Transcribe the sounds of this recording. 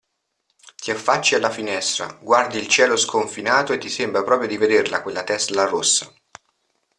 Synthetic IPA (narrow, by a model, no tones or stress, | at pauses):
t̪iafːat͡ʃːialːafinɛst̪ɾa̰ɡward̪iːlt͡ʃɛːloskʰoɱfinaːt̪oet̪ːisembɾapɾɔːpɾjod̪ived̪erla̰kwelːat̪ɛslarosːa